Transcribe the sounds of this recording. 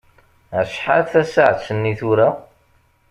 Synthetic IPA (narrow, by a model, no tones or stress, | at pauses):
ʃħa̰lθæsə̰ʕsənːiθʊɾæ